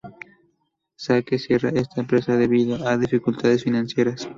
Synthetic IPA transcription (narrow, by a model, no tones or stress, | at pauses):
sakesje̞ra̰e̞st̪aempɾesaðeβiðaʔaðifikult̪ʰaðesfinãnsje̞ɾas